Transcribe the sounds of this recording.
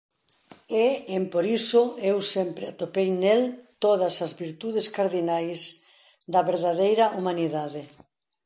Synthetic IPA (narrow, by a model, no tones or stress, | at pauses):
eempoɾisoewsempɾɪat̪opejnelt̪oðɐsɐzβiɾt̪uð̞eskaɾðinajs | d̪ɐβeɾðaðejɾɐʔumaniðaðe